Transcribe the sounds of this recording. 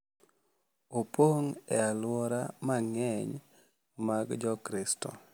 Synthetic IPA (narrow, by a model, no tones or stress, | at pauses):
opoŋɛalwɔɾamaŋɛɲ | maɡd͡ʒɔkɾɪstɔ̰